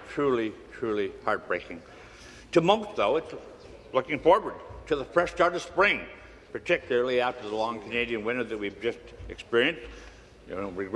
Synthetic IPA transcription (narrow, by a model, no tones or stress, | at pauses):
tʰɹ̥ʉlˠitʰɹ̥ʉlˠihɑɹt̚b̥ɹeɪkɪ̃ŋ | tʰɨmʌ̃ʊk̚ðoʊɨts | lʊkɪ̃ŋfɔɹwə˞d̚tʰɨðəfɹɛʃtɑɹɾʌ̥spɹɪ̃ŋ | pʰə˞tʰɪkjl̩ˠə˞l̩ˠiæftə˞ðəlɔ̃ŋkʰɨneɪɾiɨ̃nwɪ̃ñə˞ðɨt̚wivd͡ʒʌstɨkspɪɹiɨ̃ns̚ | ɹɨɡ